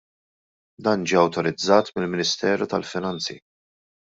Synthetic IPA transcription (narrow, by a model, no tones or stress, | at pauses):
d̪ɐːnd͡ʒiːɐwt̪ɔɾɪd͡zːɐːt̪mɪlmɪnɪst̪ɛːɾut̪ɐlfɪnɐnt͡sḭ